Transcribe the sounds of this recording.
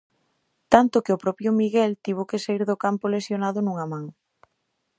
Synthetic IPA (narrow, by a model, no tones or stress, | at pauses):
t̪ant̪ʊkɪʊpɾɔpjʊmiɣɛlt̪iβ̞okesaiɾðʊkampolesjonaðʊnuŋɐmãŋ